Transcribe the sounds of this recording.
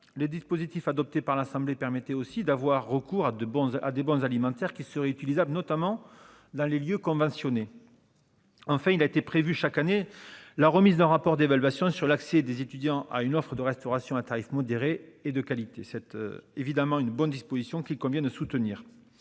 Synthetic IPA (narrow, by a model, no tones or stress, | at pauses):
ləd̪ispozit̪ifad̪ɔp̚t̪epaʁlasɑ̃blepɛʁmɛt̪ɛosid̪avwaʁːəkuʁad̪bɔ̃a̰d̪ebɔ̃zalimɑ̃t̪ɛʁkʲisəʁɛyt̪ilizablənɔt̪amɑ̃ | d̪ɑ̃leljøkɔ̃vɑ̃sjɔne | ɑ̃fɛ̃ilaet̪epχevyʃakanelaʁəmizd̪ɛ̃ʁapɔʁd̪evalɥasjɔ̃syʁlaksɛd̪ezet̪yd̪jɑ̃ʔa̰ynɔfχəd̪əʁɛst̪ɔʁasjɔ̃at̪aʁifmɔd̪eʁeːd̪əkalit̪esɛt̪evid̪amɑ̃ynbɔnd̪ispozisjɔ̃kʲilkɔ̃vjɛ̃d̪əsut̪əniːʁ